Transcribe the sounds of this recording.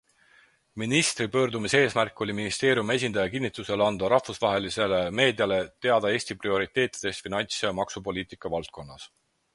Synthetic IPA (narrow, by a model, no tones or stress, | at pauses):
minist̪ripø̞ːɾd̪umise̞ːsmærkːˑo̞lʲiminist̪e̞ːɾʲjume̞s̬ʲind̪ɑjɑkinːit̪luse̞lɑnd̪̥ɑɾɑhfusvɑɦe̞lise̞le̞me̞ːd̪jɑlet̪e̞ɑd̪ɑe̞ːsʲt̪iprio̞ɾit̪ːˑe̞ːt̪ːˑi̥d̪̥e̞st̪finɑnʲt̪sjɑmɑksupo̞lʲiːt̪ˑikːˑɑvɑlt̪̚ko̞nːɑ̰s